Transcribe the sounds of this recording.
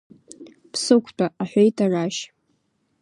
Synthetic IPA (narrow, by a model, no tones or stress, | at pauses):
pʰsɨkʷʰt͡pʰʼaʔaħʷejtʰaraʃ